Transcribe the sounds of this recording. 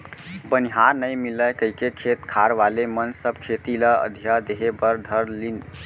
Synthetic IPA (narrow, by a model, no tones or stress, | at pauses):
bəniɦaɾnəjmilːəjkəɦikekʰet̪kʰaɾʋalemənsəbkʰet̪iləə̰d̪ʱijad̪eɦebəɾd̪ʱəɾlin